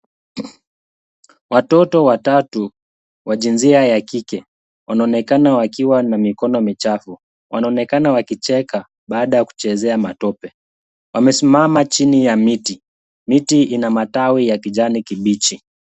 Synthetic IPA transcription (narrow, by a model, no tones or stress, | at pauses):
watɔtɔwatatu | waʄinziajakikɛ | wanaɔnɛkanawakiwanamikɔnɔmit͡ʃafu | wʔanaɔnɛkanawakit͡ʃɛka | ɓaːɗajaku̥t͡ʃɛzɛamatɔpɛ | wʔamɛsimamat͡ʃinijamiti | mitiinamatawijakiʄanikiɓit͡ʃi